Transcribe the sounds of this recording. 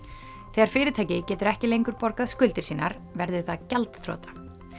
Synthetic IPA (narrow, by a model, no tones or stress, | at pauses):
θɛɣaɾ̥fɪːɾɪt̪ʰaːjcɪcɛːt̪ʏɾɛhcɪlejŋkʏɾpɔɾkaðskʏlt̪ɪɾ̥siːnaɾ | vɛɾðʏθaðcɛlt̪θɾo̰ːt̪ḁ